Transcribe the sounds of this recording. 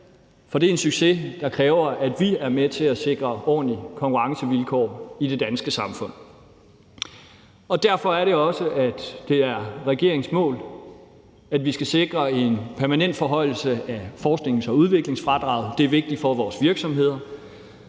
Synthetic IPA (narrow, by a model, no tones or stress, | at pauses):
fɒ̽d̥e̝ensyɡ̥se̝d̥ɑ̈kʰʁɛːʊɐʔæd̥ʋiæɐmet͡sʰe̝æse̝ɡ̥ʁɐɒ̰ːnlikʰɒ̽ŋkʰuʁɑ̈ŋsəʋilkʰɒ̰ːid̥e̝d̥ænsɡ̥əsɑ̈mfɔ̽n̰ | ɒ̽d̥æɐfɒ̽æɐɾe̝ɒ̽səʔæd̥ːe̝æɐʁɛɡ̥e̝ɐeŋsmɔ̰̽ːl | æd̥ʋisɡ̥æse̝ɡ̥ʁɐe̝npʰæɐmænen̰d̥fɒ̽ɦɒ̽ɪl̩səæfɒːsɡ̥ne̝ŋ̩sɒ̽uð̞ˠʋe̝ɡ̥le̝ŋsfʁɑ̈d̥ʁɑ̰̈ʊð̩ˠd̥e̝æɐʋe̝ɡ̥̚d̥ifɒ̽ʋɒːsʋiɐɡ̥sɒ̽mɦe̝ð̞̰ˠɐ